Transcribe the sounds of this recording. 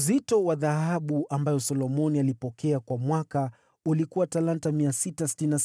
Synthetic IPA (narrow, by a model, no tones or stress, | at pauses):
zitɔwaðahaɓuʔambajɔsɔlɔmɔnialipɔkʰɛakwamwaka | ulikuwatalantamiasitas̬i̥tininas